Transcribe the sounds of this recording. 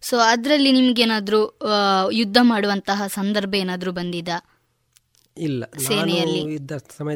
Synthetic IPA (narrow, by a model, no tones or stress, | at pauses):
soːɐd̪ɾɐlːinimɐɡeːnaːd̪ɐɾu | jud̪ʱːɐmaːɽuʋɐnt̪ɐɦɐsɐnd̪ɐɾbʱɐeːnaːd̪ɐɾuːbɐnd̪id̪ɐ | ilːɐseːnɛjɐlːid̪ʱːɐsɐmɐ